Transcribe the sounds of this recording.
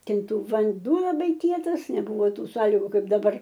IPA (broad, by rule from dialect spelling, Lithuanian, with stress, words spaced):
ˈtʲɪn ˈtʊ ʋɐnˈduɔ lˠɐˈbɐɪ ˈkʲiɛtɐs nʲɛˈbʊʋoː ˈtuː ˈsɑːlʲiːɡʊ ˈkɐɪp dɐˈbɐr